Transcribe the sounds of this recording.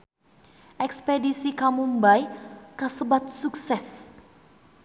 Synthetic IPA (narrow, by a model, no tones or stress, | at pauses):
ʔɛkspedisikamumbajkasəbat̪̚suksɛs